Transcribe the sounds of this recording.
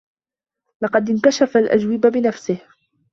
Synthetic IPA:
lɑqɑd̪ɪnk̪aʃafalʔa̰d͡ʒwɪbabɪnafsɪh

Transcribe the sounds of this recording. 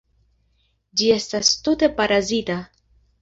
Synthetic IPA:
d͡ʒie̞st̪ast̪ut̪e̞paɾazit̪a

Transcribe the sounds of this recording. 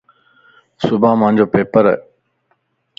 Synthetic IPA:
sʊbʱãːmãːɲd͡ʑoːpeːpəɾ̰

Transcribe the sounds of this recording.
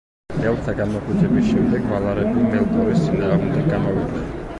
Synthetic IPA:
ɛlˠt̪ʰaɡanmɔkʼwit͡ʃ̪ʰʼɛbiʃɛmd̪ɛɡmalˠaɾɛbimɛlˠt̪ʼɔɾissʰinaaʁmd̪ɛɡamavid̪lɛ̰

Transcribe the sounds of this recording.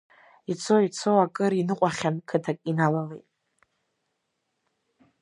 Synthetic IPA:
it͡sʰoit͡sʰowakʼɨɾinɨqʷʼaχʲankʰɨtʰakʼinalalejtʼ

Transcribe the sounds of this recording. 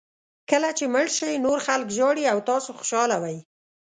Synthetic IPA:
kəlat͡ʃeməɽʃəjnoɾxalkʒɑɽiawt̪ɑsoxʊ̥ʃɑlawaj

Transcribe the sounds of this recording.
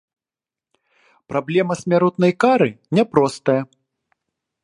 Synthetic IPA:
pɾʔablʲɛmɐsʲmʲaɾut̪nɐjkaɾɨnʲɛpɾɔst̪ɐjɐ

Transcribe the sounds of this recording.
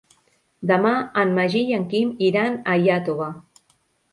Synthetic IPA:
d̪əmaːnmaʒiʎaŋkimiɾanajat̪oβa

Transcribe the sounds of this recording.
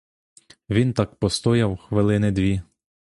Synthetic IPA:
ʋʲint̪ɑkpɔst̪ɔjɐwxʋɪlˠɪnɪd̪ʋʲi

